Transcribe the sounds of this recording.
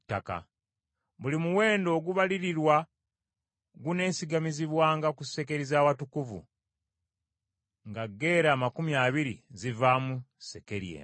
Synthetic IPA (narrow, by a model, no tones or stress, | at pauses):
tːaka̰ | βulimuwe̞ːndo̞ːɡuβaliɾiɾwa | ɡune̞ːsiɡamiziβwaːŋɡakuse̞ke̞ɾizaːwatukuvṵ | ŋɡaɡːe̞ːɾaːmakumjaːβiɾizivaːmuse̞ke̞ɾijḛː